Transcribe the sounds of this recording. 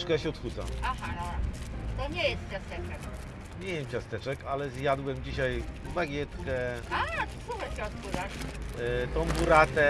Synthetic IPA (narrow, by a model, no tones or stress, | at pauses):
ʂkɛjaɕɛɔt̪xud̪za̰maxanɔt̪ɔɲɛjɛst̪̚t͡ɕʲjast̪ɛtɛk | ɲʲɛjɛmt͡ɕʲast̪ɛt͡ʂɛkalɛzjad̪wɛmd͡ʑiɕaj | baɡʲjɛt̪kɛasuxaɕɛɔt̪xud̪aʂ | t̪ɔ̃w̃buɾat̪ɛ